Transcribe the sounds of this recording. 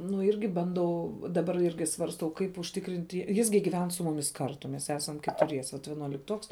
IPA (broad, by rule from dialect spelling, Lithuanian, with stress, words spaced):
nʊ ˈɪrʲɡʲɪ bɐnˈdɐʊ dɐˈbɐr ˈɪrʲɡʲɪ sʋɐrsˈtɐʊ ˈkɐɪp ʊʃʲˈtʲɪkrʲɪnʲtʲ ˈjɪs ɡʲɪ ɡʲɪˈʋʲɛn sʊ mʊˈmʲɪs ˈkɐrtʊ mʲɛs ˈæːsɐm kʲɛtʊˈrʲiɛsʲɛ ʋɐt ʋʲiɛnuɔlʲɪkˈtuɔks